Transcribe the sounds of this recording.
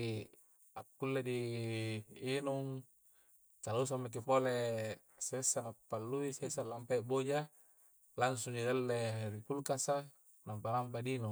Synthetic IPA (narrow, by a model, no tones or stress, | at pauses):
i | akːulːediː | nuŋ | t̪alus̬amːak̬ipole | sesːanapːalːuisesalːampaiʔbod͡ʒa | laŋs̬uŋdidalːeɾipulkasa | nampanampadinu